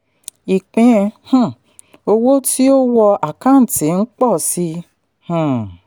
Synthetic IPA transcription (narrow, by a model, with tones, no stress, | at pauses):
i˨k͡pĩ˨˧hũ˦˨ | o˧wo˦ti˦o˦wɔ˧ʔa˨kã˨˦n̩˨tĩ˨n̩˦k͡pɔ˦˨si˧ | hũ˦˨